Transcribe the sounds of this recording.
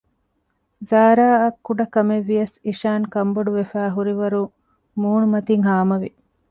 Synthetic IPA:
zaːɾaːɐkːuɖɐkɐmeʋːijɐsiʃaːŋkɐmbɐɖuʋefæːɦuɾiʋɐɾu | muːnumɐt̪iŋɦaːmɐʋi

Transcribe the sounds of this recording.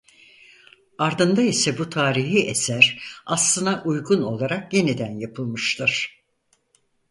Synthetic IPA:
aɾd̪ɯnd̪aisɛbut̪ʰaːɾiɦiʔesæɾaslˠɯnaʔujɡuno̞̰lˠaɾakje̞nid̪ænjapʰɯlˠmɯʃt̪ʰɯɾ̥

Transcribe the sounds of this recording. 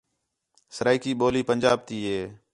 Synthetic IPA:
səɾaːiːkiːɓoːliːpənʲd͡ʒaːb̚t̪iːɦeː

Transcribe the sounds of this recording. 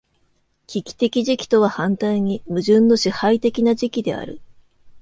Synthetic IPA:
kʲikʲi̥t̪e̞kʲiʑikʲi̥t̪o̞β̞ahãnt̪aiɲ̟imɯ̟ʑɨ̃nːo̞ɕihait̪e̞kʲinaʑikʲid̪e̞a̰ɾɯ̟̰

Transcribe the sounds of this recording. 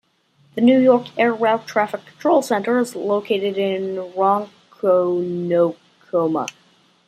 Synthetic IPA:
ðɨnʉjɔɹkɛɹɹelˠtʰɹ̥æfɨkʰn̩tʰɹ̥oʊlˠsɛ̃ntə˞ɨzloʊkʰeɪɾɨɾɪ̃nɹɑ̃ŋkʰoʊnoʊ | kʰomə̰

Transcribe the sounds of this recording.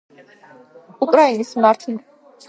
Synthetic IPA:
ukʼɾainismaɾt̪ʰ

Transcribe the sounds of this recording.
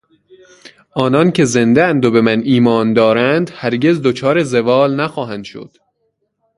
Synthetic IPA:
ʔɒːnɒncʰe̞ze̞nd̪eænd̪obe̞mæniːmɒːnd̪ɒːɾænd̪hæɾɟe̞zd̪ot͡ʃʰɒːɾezevɒːlnæxɒːɦænd̪̥ʃo̰d̪̥

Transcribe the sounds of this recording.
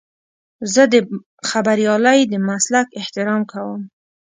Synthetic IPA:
zəd̪ə | xabaɾijɑləjd̪əmaslakɪht̪ɪɾɑmkawəm

